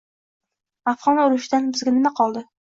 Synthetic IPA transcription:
afʁɒnʊɾɪʃɪd̪anbɪzɡʲanɪmaqʰɒlˠd̪ɪ

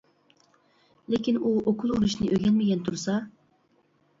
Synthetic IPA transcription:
lekʲinuokʰulˠuɾuʃnɨʔøɡʲɛnmɪɡʲɛnt̪ʰuɾsɑ

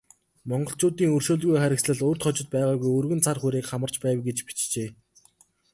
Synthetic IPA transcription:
mɔɴɢɞ̆ɬt͡ɕʊːt̪iːŋɵrʃoːɮɣujχæɾʲɪ̆ksɮə̆ɮɵːrt̪χɔt͡ɕɪ̆t̪̚pæːʁaːɣujɵrɣɵ̆nt͡sʰarχuɾiːkχamə̆r̥t͡ɕpæːwɡet͡ɕpi̥t͡ɕt͡ɕeː

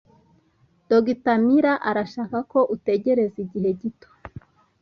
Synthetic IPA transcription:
d̥oɡitamiɾaʔaɾaʃaːkako̞ʔute̞ɟe̞ɾe̞ziɟiɦe̞ɟito̥

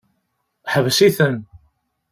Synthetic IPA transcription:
ħəvsiθən

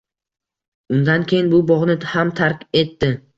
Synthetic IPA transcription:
ʊnd̪ankʲʰejɪnbʊbɒʁnɪhamt̪ʰaɾkʲe̞t̪ːɪ

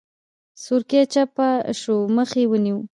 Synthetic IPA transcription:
sʊɾket͡ʃapaʃoməxewəniw

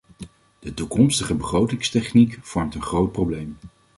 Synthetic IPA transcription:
d̥ətukɔmstəχəbəχrowtɪŋstɛχnikv̥ɔɹmtənχrowt̚prowblejm

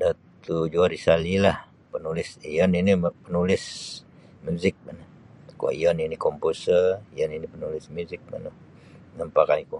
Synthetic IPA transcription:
dat̪ud͡ʒuaɾisalilah | pənulɪsijɔninipənulɪs | muzɪk̚manu | kṵa̰ijɔninikɔmpusərijɔninipənulɪsmuzɪk̚ma̰nu | nampakaiku

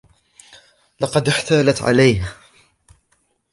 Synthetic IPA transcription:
lɑqɑd̪ɪħt̪aːlat̪ʕa̰lajh

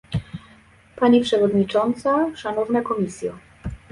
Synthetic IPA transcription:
paɲipʂɛvɔd̪ɲit͡ʂɔnt̪saʂanɔvnɛkɔmʲisʲjɛ

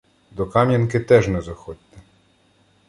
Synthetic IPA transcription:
d̪ɔkɑmʲjɐnkɪt̪ɛʒnɛzɐxɔd̪ʲt̪ɛ

